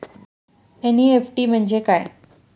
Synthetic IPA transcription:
eniefʈiːm̤əɳd͡ʑekaj

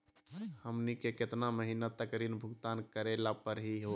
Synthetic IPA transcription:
həmnikekɪt̪naməɦinat̪əkɾinbʱʊɡt̪ankəɾelapəɾɦiɦo

